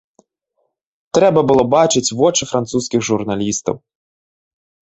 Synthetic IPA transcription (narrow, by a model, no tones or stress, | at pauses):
t̪ɾɛbɐbɨlˠɔbat͡ʂɨt͡sʲvɔt͡ʂɨfɾʔant̪suskʲiɣʐurnalʲist̪ɐ̰w